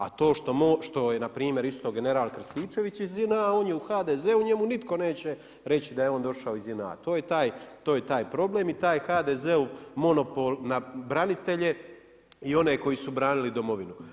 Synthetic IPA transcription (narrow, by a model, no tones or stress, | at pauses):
at̪o̞ːʃt̪o̞moʃt̪o̞jenapɾiːmje̞ɾist̪o̞ɡe̞ne̞ɾaːlkr̩st̪iːt͡ʃe̞ʋit͡ɕizinaao̞ːnjeuxaːd̪eːzeuɲe̞munit̪ko̞ne̞ːt͡ɕe̞ | ɾe̞t͡ɕid̪ajeo̞ːnd̪o̞ʃaoizinaa̰t̪o̞ːjet̪aːjt̪oːjet̪aːjpɾo̞ble̞ːmit̪aːjxaːd̪eːzeumo̞no̞polnabɾanit̪e̞ʎe̞ | io̞neko̞jisubɾaːnilid̪o̞mo̞ʋinu